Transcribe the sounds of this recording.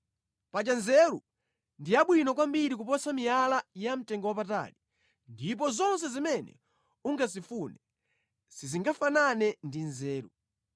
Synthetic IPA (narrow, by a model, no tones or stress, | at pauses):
pat͡ʃanzɛɾu | ndiaɓwinɔk̬wambiɾik̬upɔsamijalajam̩tɛŋɡɔwap̬ata̰ɾi | ndip̬ɔzɔns̬ɛzimɛnɛ̰ | uŋɡazifunɛ | siziŋɡafananɛndinzɛːɾṵ